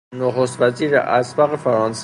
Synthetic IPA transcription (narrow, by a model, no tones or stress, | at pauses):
noxost̪væziːɾḛʔæsbɒːɣefæɾɑːns